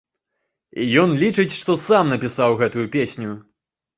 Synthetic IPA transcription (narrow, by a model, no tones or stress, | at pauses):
ijɔnlʲit͡ʂɨt͡sʲʂt̪ɔsamnɐpʲisawɣɛt̪ujupʲesʲnʲu